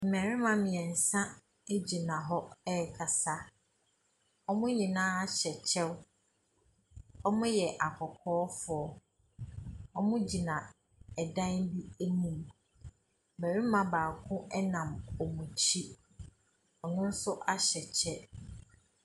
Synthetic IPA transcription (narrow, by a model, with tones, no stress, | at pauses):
m̩˨mɛ̃˨ɾɪ˦mã˦mɪ̃˨ɛ̃˨n̩˨sã˦ | e˦d͡ʑi˨nã˨ɦɔ˦ɛ˦˨kʰa˨sa˦ | ɔ˦mʊ̃˦ɲĩ˨nãː˦a˦ɕɛ˨t͡ɕʰɛ˦w | ɔ˦mʊ̃˦jɛ˨ʔa˨kʰɔ˨kʰɔː˦fʊ˨ɔ˨ | ɔ˦mʊ̃˦d͡ʑi˨nã˨ | ɛ˨dã˦nbi˦e˦nũ˨m˨ | mæ˨ɾi˦mã˨baː˨kʰʊ̃˦ʔɛ˦nã˨mɔ˨mũ˨t͡ɕʰi˦ | ɔ˨nʊ̃˦n̩˦sʊ˦ʔa˦ɕɛ˨t͡ɕʰɛ˦